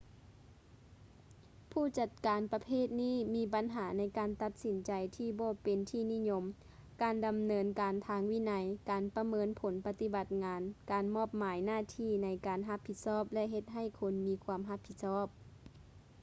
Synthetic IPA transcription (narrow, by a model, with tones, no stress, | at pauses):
pʰuː˥˩t͡ɕa˧˩t̪̚kaː˨npa˧pʰeː˥˨t̪̚niː˥˨miː˧˥ba˨˦nɦaː˩˦na˧˥jkaː˨nt̪a˧t̪̚si˨˦nt͡ɕa˨jt̪ʰiː˧bɔː˧pe˨nt̪ʰiː˧˩ni˧˥˨ɲo˧m | kaː˨˧nda˨mnɤː˧nkaː˨nt̪ʰaː˧ŋwi˧˨na˧jkaː˨˩npa˧mɤː˧˥npʰo˨˦npa˧t̪i˧˦ba˧t̪̚ŋaː˨˧nkaː˨nmɔː˧˥˩p̚maː˨˦jnaː˧˥˨t̪ʰiː˧˩na˨˦jkaː˨nɦa˧˥pʰːi˧t̪̚sɔː˥˩p̚lɛ˧ʔɦe˧t̪̚ɦa˧˩jkʰo˧nmiː˨˧kʰuː˧əmɦa˧˥pʰːi˧t̪̚sɔː˧˥˩p̚